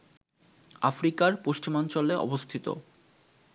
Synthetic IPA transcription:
afɾikaɾpoʃt͡ɕimant͡ɕoleʔɔ̰bost̪ʰit̪o̰

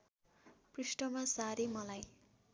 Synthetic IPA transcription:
prisʈʌmasaɾimʌlaj

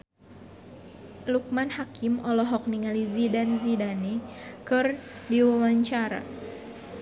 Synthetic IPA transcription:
luk̚manhakɪmɔlɔɦɔk̚niŋalizidanzidanikɨrdiwawaɲt͡ʃaɾa̰

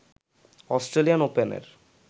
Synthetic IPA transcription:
ɔsʈɾelianopenḛɾ

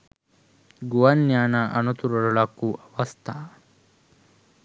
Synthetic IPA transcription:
ɡuʋɐnjaːnaʔɐnut̪uɾuɭuɭɐkːuʔɐʋɐst̪ʰa

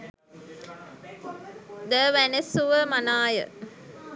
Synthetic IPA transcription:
d̪əʋænesuʋəmanaːjə̰

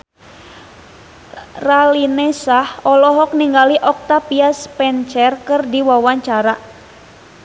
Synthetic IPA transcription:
ralinɛsahɔlɔɦɔk̚niŋɡaliʔɔk̚t̪apiaspɛnt͡ʃɛrkɨrdiwawaɲt͡ʃaɾa

